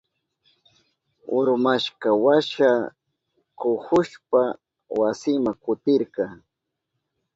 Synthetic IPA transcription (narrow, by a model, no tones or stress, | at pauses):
ʊ̰ɾmaʃkawaʃa | kʊhʊʃpa | wasɪmakʊt̪ɪɾkɑ